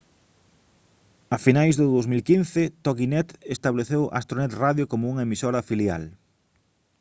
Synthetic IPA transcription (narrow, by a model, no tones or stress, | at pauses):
ɐfinajzðʊðowzmilkinθɪt̪oɣinɛt̪est̪aβleθewʔa̰st̪ɾonɛt̪raðjokomʊuŋɐemisoɾɐfilja̰l